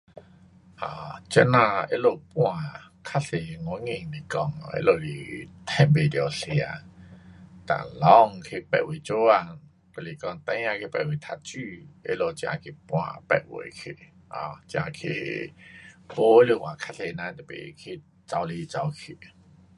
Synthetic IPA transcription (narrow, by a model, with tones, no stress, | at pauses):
hã̰˨˩t͡ɕɛ˧˥nã˧ḛ˦lo˧˨pw̃ã˧˨ | kʰa˦˥se˨ŋɔ˧˦ŋĩ˧˨ŋli˨kɔ˧˩ŋɔ˨ḛ˦˥lo˧˩lḭ˨˩t̪ʰɛ̃˧˩nbe˨d̪ja˨se˨a̰˧˨ | t̪ã̰˨lɔ˧˦ŋkʰe˧˨pɛ̰˧˨we˨t͡ɕo˦a˨ | ko˧˨le˨kɔ˧˨ŋt̪ã˧˦ã˧kʰe˧pɛ˧˨ʔwe˨t̪ʰa˧t͡ɕy˧ḛ˦lo˧t͡ɕjã̰˧kʰe˧pw̃ã̰˧pɛ̰˧˨wḛ˨kʰe˧˨ | ɔ̰˨˩t͡ɕjã̰˧kʰḛ˧˨ | bo˧˦e˦lo˧˨kwã˨kʰa˦˥se˨nã˧t̪pḛ˨˧kʰe˧˨ | t͡sa˧wle˧t͡sa˧wkʰe˨